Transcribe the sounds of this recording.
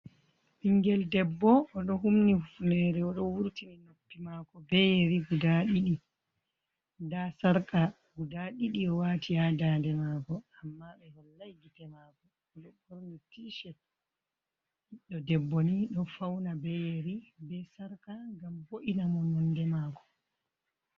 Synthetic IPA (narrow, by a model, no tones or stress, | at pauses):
ɓiŋɡɛldɛbːɔːɗɔɦumnihufnɛɾɛɔɗɔwuɾtininopːimaːkɔbɛjeɾiɡudaɗiɗi | dasaɾka | ɡudaɗiɗiɔwaːtʰiadadɛmaːkɔamːaɓɛhɔlːajɡitɛmaːkɔ | ɔɗɔboɾnitiʃɛt̚ | hiɗːɔdɛbːɔniɗɔfawnabɛjeɾibɛsaɾkaŋɡamboʔinamɔnɔndɛmaːkɔ̥